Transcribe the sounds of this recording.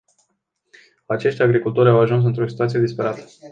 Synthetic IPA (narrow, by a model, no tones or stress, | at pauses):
at͡ʃe̞ʃt̪ʲaɡɾikult̪o̞ɾʲawaʒuns̬ɨnt̪ɾo̞si̥t̪uat̪sije̞d̪ispe̞ɾat̪ə̥